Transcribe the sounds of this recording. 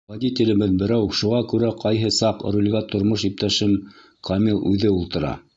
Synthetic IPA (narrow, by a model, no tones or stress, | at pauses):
vɐd̪ʲit̪ʲɪlɘ̆bɘðbɘ̆ɾæwʃuʁɑkʉɾæqɑjɦɤsɑqɾulʲɡɑt̪ŏɾmoʃip̚t̪æʃɘm | kʰɑmʲilˠʔʉðɘulˠt̪ɤ̆ɾɑ̰